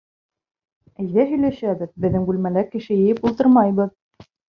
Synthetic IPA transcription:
æjðæɦɵ̆jlæʃæbɘðbɘ̆ðːɘŋɡʉlmælæɾkɘ̆ʃɘjɘ̆jɘpulˠt̪ɤɾmɑjbɤð

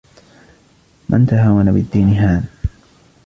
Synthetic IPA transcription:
mʔa̰nt̪aɦaːwanabɪd̪ːiːnɪɦaːn

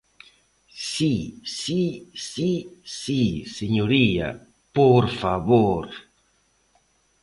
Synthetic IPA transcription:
sisisisiseɲoɾia̰ | poɾfaβoɾ

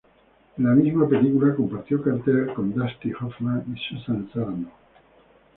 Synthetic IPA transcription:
lamizmape̞likulako̞mpaɾt̪jokaɾt̪eɾako̞nd̪ast̪ihofmãnisusansaɾano

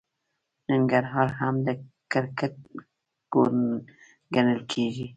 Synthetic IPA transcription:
naŋɡaɾɦɑɾɦamd̪ə | kəɾkat̪̚ | ɡ̥o | ɡanəlkʰeʒi

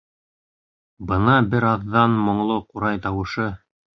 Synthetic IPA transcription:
bɤnɑbɘɾɑðːɑnmŏɴlˠoquɾɑjt̪ɑwɤ̆ʃɤ

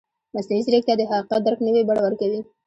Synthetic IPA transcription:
masnaizɾek̚t̪jaɑd̪əɦaqiqɑt̪̚d̪aɾknəwebaɽawaɾkawi

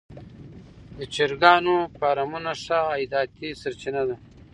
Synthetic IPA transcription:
d̪ət͡ʃiɾɡɑːnopaːɾamunaʂaːjd̪ɑːt̪isɐɾt͡ʃinad̪a

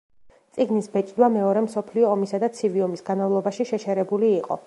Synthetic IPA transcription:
t̪sʼiɡnisbɛt͡ʃʼd̪wamɛɔɾɛmsɔpʰliɔːmisad̪at̪sʰiviɔmisɡanmavlˠɔbaʃiʃɛt͡ʃʰɛɾɛbuliːqʼɔ̰

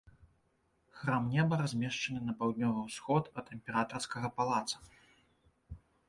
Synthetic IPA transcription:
xɾamnʲɛbɐɾazʲmʲɛʂt͡ʂɐnɨnɐpawd̪nʲɔvɨwsxɔt̪ɐt̪ɛmʲpʲɛɾat̪ɐrskɐɣɐpalˠat̪sɐ̥

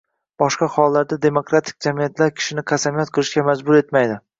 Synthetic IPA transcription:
b̥ɒʃqɑχɒlˠːaɾd̪ad̪e̞mokɾat̪ʰɪ̥k̚ʲd͡ʒamijat̪laɾkʲʰɪ̥ʃɪnɪqʰasamijat̪̚qʰɨlˠɪʃkʲamad͡ʒbʊɾe̞t̪majd̪ɪ

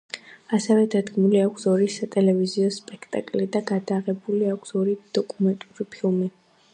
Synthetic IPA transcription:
asɛvɛd̪ad̪ɡmuliakʷʰsɔɾisat̪ʼɛlɛviziɔspʼɛkʰt̪ʼa̰kʼlid̪aɡad̪aʁɛbuliakʷʰsɔɾid̪̥ɔkʼumɛnt̪ʼuɾipʰilˠmi

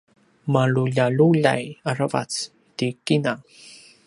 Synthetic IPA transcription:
maluʎaluʎa̰jaɾava̰t͡s | t̪ikina

